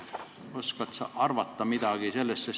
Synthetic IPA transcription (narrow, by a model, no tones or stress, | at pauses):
o̞skɑt̪sɑɑrvɑt̪ːɑmid̪̥ɑɡ̥ise̞lːest̪ses